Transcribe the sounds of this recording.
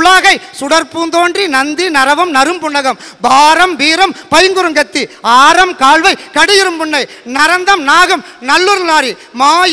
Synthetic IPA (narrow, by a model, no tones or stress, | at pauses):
ɭaːɣɐɪsʊɽɐɾpuːnd̪oːndrinɐnd̪inɐɾɐʋɐmnɐɾɯmpʊɳːɐɣɐmbaːɾɐmbiːɾɐmpɐjŋɡɯɾɯŋɡɐt̪ːiaːɾɐmkaːɭʋɐɪkɐɽɯjɪɾɯmpʊɳːɐɪnɐɾɐnd̪ɐmnaːɣɐmnɐlːɯɾnaːɾi | maːj